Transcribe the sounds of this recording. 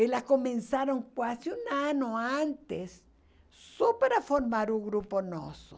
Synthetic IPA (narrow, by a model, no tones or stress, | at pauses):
elakomẽnsaɾoŋkwasiunanoant̪es | supeɾafoɾmaɾuŋɡɾupono̰so